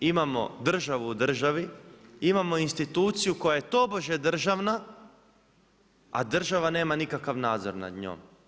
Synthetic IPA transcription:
imamo̞̰d̪r̩ʒaʋuːd̪r̩ʒaʋiimamo̞inst̪it̪uːt̪sijuko̞jajet̪o̞boʒed̪r̩ʒaʋna | a̰d̪r̩ʒaʋane̞ːmanikakaʋnaːd̪zoɾna̰d̪ɲo̰ːm

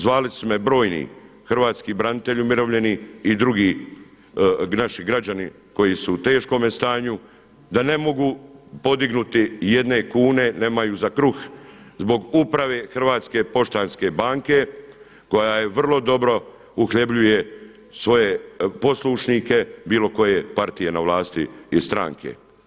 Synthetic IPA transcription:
zʋaːlismebɾo̞ːjnḭː | xr̩ʋaːt̪skibɾanit̪e̞ʎumiɾo̞ʋʎe̞niid̪ɾuɡiː | naʃiɡɾad͡ʑani | ko̞jisuːt̪e̞ːʃko̞mest̪aːɲu | d̪ane̞mo̞ɡuːpo̞d̪iɡnut̪ijed̪ne̞kuːne̞ne̞ːmajuːzakɾux | zbo̞ɡupɾaʋe̞ːxr̩ʋaːt̪ske̞po̞ʃt̪anske̞baːŋke̞ | ko̞jaːjeʋr̩lˠo̞d̪o̞bɾo̞ | uxʎe̞bʎuje̞ | sʋo̞jepo̞sluʃnike̞biːlˠo̞ko̞jepaɾt̪ije̞naʋlaːst̪ḭːst̪ɾa̰ŋkʰḛ

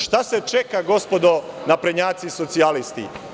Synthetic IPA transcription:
ʃt̪aset͡ʃekaɡo̞spod̪o | napɾeɲaːt̪siso̞t̪sialist̪ḭ

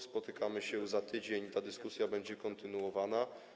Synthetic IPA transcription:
spɔt̪ɘkamɘɕɛzat̪ɘd͡ʑeɲt̪ad̪ɘskusʲjabɛɲd͡ʑɛkɔnt̪ɘnuwɔvana

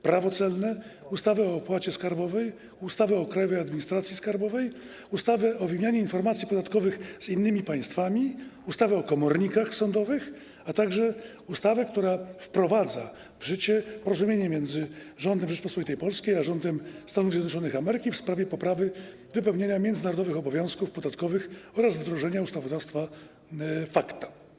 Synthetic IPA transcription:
pɾavɔt̪sɛlnɛust̪avɛɔːpwat͡ɕɛskaɾbɔvɛj | ust̪avɛɔkɾajɔvɛjad̪mʲiɲist̪ɾat̪sʲjiskaɾbɔvɛj | ust̪avɛʔɔvɘmʲjaɲɛinfɔɾmat̪sʲjipɔd̪at̪kɔvɘxzinːɘmʲipaj̃st̪famʲiust̪avɛɔkɔmɔɾɲikaxsɔnd̪ɔvɘx | at̪aɡʐɛ | ust̪avɛk̚t̪uɾafpɾɔvad̪za̰ | vʐɘt͡ɕɛpɔɾɔzumʲjeɲɛmʲjɛnd̪zɘʐɔnd̪ɛmʐɛt͡ʂpɔspɔvʲit̪ɛjpɔlskʲejaʐɔnd̪ɛmst̪anuvzʲjɛd̪nɔt͡ʂɔnɨxamɛɾɘkʲifspɾavʲjɛpɔpɾavɘ | vɘpɛwɲaɲamʲjɛnd̪ɘnaɾɔd̪ɔvɘxɔbɔvʲjɔ̃w̃skufpɔd̪at̪kɔvɘxɔɾazvd̪ɾɔʐɛɲaust̪avɔd̪afst̪fa | fakt̪ḁ

